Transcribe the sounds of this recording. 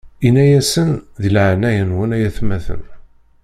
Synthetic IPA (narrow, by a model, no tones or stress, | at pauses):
inæjæsənðilʕnæjənwənæjæθmæθə̰n